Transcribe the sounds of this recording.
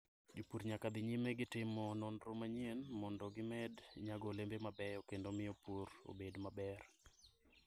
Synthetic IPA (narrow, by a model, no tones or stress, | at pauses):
d͡ʒopuɾɲakad̪ɪɲimeɡɪtɪmɔnɔndɾomaɲenmɔndɔɡɪmɛdɲaɡɔlembemabɛokendomɪopuɾo̰bedmabɛr